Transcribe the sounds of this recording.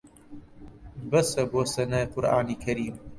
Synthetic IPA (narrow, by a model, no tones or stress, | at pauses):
bɐsɐboːsɐnɐjqʊɾʔa̰ːniːkʰɐɾiːm